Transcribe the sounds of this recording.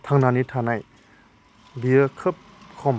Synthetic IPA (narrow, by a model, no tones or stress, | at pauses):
t̪ʰaŋnanitʰanaj | biəkʰəp̚ | kʰɔm